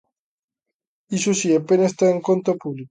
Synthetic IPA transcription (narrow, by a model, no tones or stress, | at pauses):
isusiepːenest̪aeŋkont̪opuβlik